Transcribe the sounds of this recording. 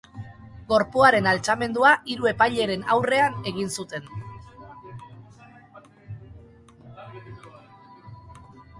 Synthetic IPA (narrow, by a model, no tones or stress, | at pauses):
ɡo̞ɾpuaɾe̞nalt͡same̞nd̪uaʔiɾue̞pajʎe̞ɾe̞nawre̞ane̞ɣinsut̪e̞n